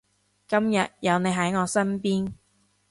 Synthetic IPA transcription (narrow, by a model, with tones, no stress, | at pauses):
kɐ˥mjɐ˨t̚jɐ˨˧wne˨˧jɦɐ˨˥jŋɔː˨˧sɐ˥npiː˥n